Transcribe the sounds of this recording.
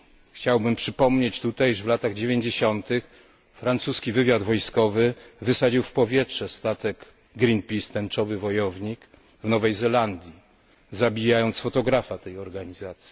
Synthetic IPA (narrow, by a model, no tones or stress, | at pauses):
xt͡ɕawbɘmpʂɘpɔmɲet͡ɕt̪ut̪ajiʐvlat̪aɣd͡ʑevʲjeɲd͡ʑeɕɔnt̪ɘx | fɾant̪suskʲivɘvʲjad̪vɔjskɔvɘvɘsad͡ʑiwfpɔvʲjɛtʂɛst̪at̪ɛɡ | ɡɾʲinpʲist̪ɛnt͡ʂɔvɘvɔjɔvɲik | vnɔvɛjzɛland̪ʲji | zabʲijajɔnt̪sfɔt̪ɔɡɾafat̪ɛjɔɾɡaɲizat̪sʲji̥